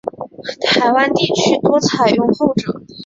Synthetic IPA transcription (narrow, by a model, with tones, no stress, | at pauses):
t̪ʰa˧˥ɪwa˥nt̪i˥˩t͡ɕʰy˥t̪wɔ˥t͡sʰa˨˩ɪjʊ˥˧ŋxo˥˩ʊʈ͡ʂɤ˨˩˦